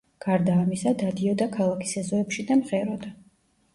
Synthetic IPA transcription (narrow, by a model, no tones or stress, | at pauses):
ɡ̥aɾd̪aːmisad̪ad̪iɔd̪akʰalˠakʰi̥sɛzɔɛpʃid̪amʁɛɾɔd̪a